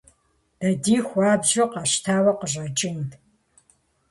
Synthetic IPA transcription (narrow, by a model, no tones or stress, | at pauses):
d̥ɐdiːxʷaːbʑɪqɑɕtʰaːwɐqəʑɐt͡ʃʼɪn